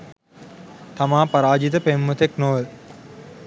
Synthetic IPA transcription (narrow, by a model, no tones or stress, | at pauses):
t̪ɐmaːpɐɾaːd͡ʒit̪ɐpemːɐt̪eknoːʋl